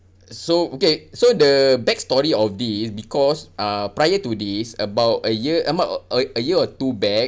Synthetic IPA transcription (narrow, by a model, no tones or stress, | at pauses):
sookesodəbɛk̚stɔɹiɔfdisbikɔsapɹajətudisəbawtəjəʔəbaʊtəəjəɔtubɛk̚